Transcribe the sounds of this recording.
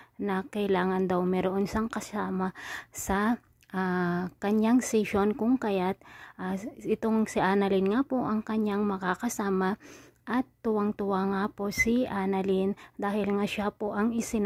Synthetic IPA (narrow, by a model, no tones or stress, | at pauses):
nɐkɐɪlaːŋɐnd̪ɐwmɛɾoʔonsaŋkɐsaːmɐsɐ | ʔakɐɲaŋsɛʃo̞nkʊŋkɐjat̪̚ʔaʔɪt̪o̞ŋsɪʔanɐlɪnŋapoʔɐŋkɐɲaŋmɐkakɐsaːmɐ | ʔɐt̪ːʊwaŋt̪ʊwaŋaposiʔaːnɐlind̪aːhɪlŋaʃapoʔɐŋɪsɪn